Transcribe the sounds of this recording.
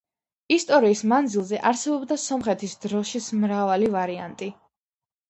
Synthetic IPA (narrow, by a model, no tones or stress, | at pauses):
ist̪ʼɔɾiːsmand̪zilˠzɛʔaɾsɛbɔbd̪asɔmχɛt̪ʰisd̪ɾɔʃismɾavalivaɾia̰nt̪ʼi